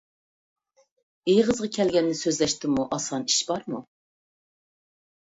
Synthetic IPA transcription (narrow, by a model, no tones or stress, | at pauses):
ejʁəzʁɑkʲʰɛlɡʲɛnːɪsøzlɛʃt̪ɪmuʔɑsɑniʃbɑɾmu